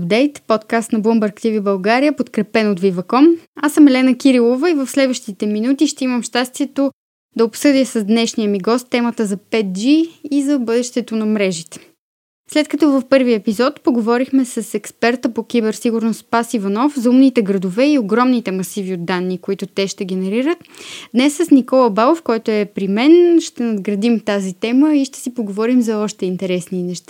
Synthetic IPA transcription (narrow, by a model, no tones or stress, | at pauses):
pd̪ɛjt̪pot̪kast̪nɐbombɐɾkt̪ivibɐlˠɡaɾiəpot̪kɾɛpɛnot̪vivɐkɔmasəmɛlɛnəkʲiɾilˠovəivɐfslɛd̪vəʃt̪it̪ɛminut̪iʃt̪ɛiməmʃt̪ast̪viɛt̪o | d̪ɐopsɤd̪iəsəzd̪nɛʃnijəmiɡɔst̪ːɛmət̪əzɐpɛt̪̚d͡ʒiːzɐbɤd̪ɛʃt̪ɛt̪onɐmɾɛʒit̪ɛ̥ | slɛt̪̚kɐt̪ɔvɐfpɤɾviəɛpizɔt̪poɡovɔɾixmɛsɐsɛkspɛɾt̪əpok̟ʲibɛɾsiɡuɾnost̪pasivɐnɔfzɐumnit̪ɛɡɾɐd̪ovɛioɡɾɔmnit̪ɛmɐsiviod̪ːanːikoit̪ʊt̪ɛʃt̪ɛɡʲɛnɛɾiɾət̪d̪nɛsːɐsnikɔlˠəbalˠofkɔjt̪oɛpɾimɛnʃt̪ɛnɐd̪ɡɾɐd̪imt̪azit̪ɛməiʃt̪ɛ̥sipoɡovɔɾimzɐɔʃt̪ɛint̪ɛɾɛsninɛʃt̪a